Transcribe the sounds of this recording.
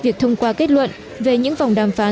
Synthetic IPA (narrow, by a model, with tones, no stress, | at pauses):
vi˨˩ək̚t̪ʰə˧wŋ͡mkwaː˧ke˦˥t̚lwə̰˧˨n | ve˨˩ɲɨ̰˧˥ŋvwŋ͡mɗaː˨˩mfaː˨˦